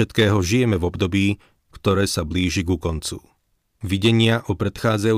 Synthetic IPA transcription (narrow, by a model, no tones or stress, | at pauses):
ɛt̪kɛːɦɔʒijɛmɛvɔbd̪ɔbiː | kt̪ɔɾɛːsabliːʒiɡukɔnt͡su | ʋiɟɛɲɪaʔɔpɾɛt̪xaːd͡zaju